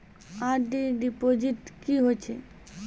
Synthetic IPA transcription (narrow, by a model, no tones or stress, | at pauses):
aɾɖiɖipod͡ʑiʈkiɦojt͡ɕʰe